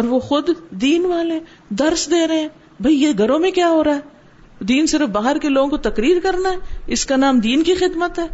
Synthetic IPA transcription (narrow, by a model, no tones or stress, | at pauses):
ɔːɾʋoxʊd̪d̪iːnʋaːle | d̪ɐɾsd̪eːɾɐɦɛ̃ː | bʱɐijeɡʱɐɾõmẽkjaːɦoːɾaːɦɛː | d̪iːnsɪɾəfbaːɦəɾkeloːɡõkot̪ɐkɾiːɾkɐɾnaɦɛɪskanaːmd̪iːnkixɪd̪mət̪ɦɛː